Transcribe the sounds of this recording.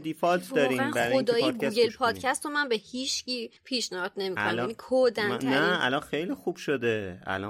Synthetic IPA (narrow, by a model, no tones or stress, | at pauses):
d̪ifɒlt̪ʰd̪ɒːɾiːbæɾod̪ɒːjed̪ɡɡelpʰɒːd̪̥cʰæst̪omænbehiːʃciːpʰiːʃnæhɒd̪̥ne̞miːonnmæænikʰod̪ænnæælɒnxejliːxub̥ʃod̪eæ̰lɒ̰